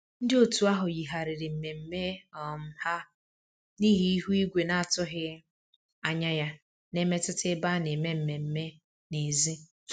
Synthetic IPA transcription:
n̩˦dɪ˦o˨tu˨a˦ɦʊ˨ji˨ɦa˨ɾɪ˨ɾɪ˨m̩˨me˨m̩˦me˦ɔ˨m̩˦ha˦ | ni˦ɦi˦i˦ɦu˦i˦ɡʷe˨na˨a˨tʊ˦ɦɪ˦ | a˨ɲa˦ja˦ | ne˦me˦tʊ˦tɪ˦ba˦ne˨me˦m̩˨me˨m̩˦me˦ | ne˨zi˦

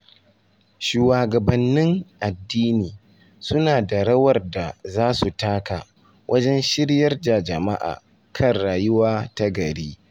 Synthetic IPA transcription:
ʃuː˨waː˨ɡɐ˨bɐ˨nːɪ˦ŋʔa˨dːiː˦niː˨ | sʊ˦naː˨da˨ɽɐ˦wɐ˨rda˨zaː˦su˨taː˦kaː˨ | wʔɐ˦d͡ʒɛ˦nʃɪ˦ɾjɐ˦rda˨d͡ʒɐ˨ma˦ʔa̰ː˨ | kʰɐ˦nɽaː˨jʊ˦waː˦ta˦ɡɐ˨ɽiː˦

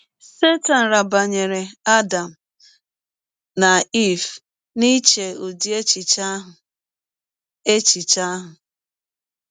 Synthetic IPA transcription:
se˦ta˨n̩˨ɾa˨ba˨ɲe˨ɾe˨a˦da˨m̩˨ | na˨i˦˨f | ni˦t͡ʃe˨o˨di˨e˦t͡ʃi˨t͡ʃa˦ɦʊ˨ | e˦t͡ʃi˨t͡ʃa˦ɦʊ˨

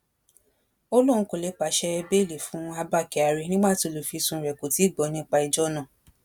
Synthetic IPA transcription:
o˦lũ˦˨ũ˧˦ko˨le˨˦k͡pa˨˦ʃɛ˧ɛ˧be˦˨le˨fũ˨˦a˧ba˦˨kɛ˨a˨ɾɛ˧nĩ˦ɡ͡ba˦˨to˨˧˦lo˨fi˧sũ˧˨ɾɛ˨ko˨ti˨˦˨ɡ͡bɔ˨˦nĩ˦k͡pa˧i˧d͡ʒɔ˦nã˦˨

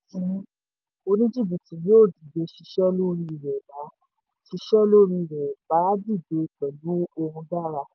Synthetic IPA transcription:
i˨˦ | o˧nĩ˦d͡ʒi˦˨bi˨ti˨jo˦˨di˨be˨˧ʃi˧ʃɛ˦lo˦ɾi˧i˨ɾɛ˨ba˨˦ | ʃi˧ʃɛ˦lo˦ɾi˧i˨ɾɛ˨ba˨˦di˦˨de˨˧˨k͡pɛ˨lu˨˦o˧hũ˧da˦˨ɾa˧

